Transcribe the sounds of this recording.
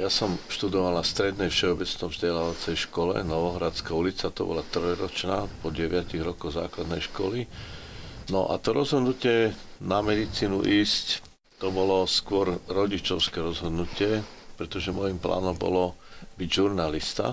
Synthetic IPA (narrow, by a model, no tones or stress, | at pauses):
jasɔmfʃt̪ud̪ɔʋalnast̪ɾɛd̪nɛjfʃɛɔbɛt͡snɔmzɟɛlaːʋat͡sɛjʃkɔlɛ̰nɔʋɔɦɾat͡skaulit͡sat̪ɔ̰bɔ̰lat̪rɔjɾɔt͡ʃnaːpɔɟɛʋɪaciɣɾɔkɔɣza̰ːklad̪nɛjʃkɔ̰li | nɔʔa̰t̪ɔɾɔzɦɔd̪nucɪɛ | namɛd̪it͡siːnuʔiːsc | t̪ɔbɔlɔskʊɔɾɾɔɟit͡ʃɔʊskɛɾɔzɦɔd̪nucɪɛ | pɾɛt̪ɔʒɛmɔjimpla̰ːnɔmbɔ̰lɔbiɟʒuɾnalist̪a̰